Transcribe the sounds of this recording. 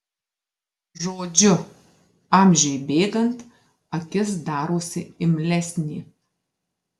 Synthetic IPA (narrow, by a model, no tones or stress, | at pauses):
ʒoːd͡ʒʲʊ | ɑˑmʲʒʲɛjbʲeːɡɐnt̪ | ɐkʲɪsd̪ɑːɾoːsʲɪɪmʲlʲɛsʲnʲiː